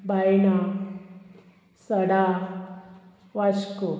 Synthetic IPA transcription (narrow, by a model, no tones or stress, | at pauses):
bajna | səɽa | ʋasko